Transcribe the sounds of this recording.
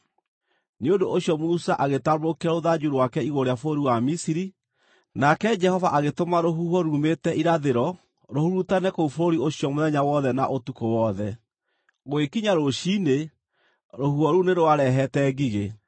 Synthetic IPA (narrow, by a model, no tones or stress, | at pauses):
neodoʔoɕjɔmusaʔaɣetaɾokeaɾoðad͡ʒuɾwakɛiɣoɾeafooɾiwamisiɾi | nakɛd͡ʒɛhɔvaʔaɣetomaɾoɦuhɔɾumetɛʔiɾaðeɾɔ | ɾohuɾutanɛkoufoɾiosijɔmoðɛɲawɔðɛnaʔotukowɔðɛ | ɣoekiɲaɾoʃine | ɾohuhɔɾuneɾoaɾɛɦɛtɛɣiɣe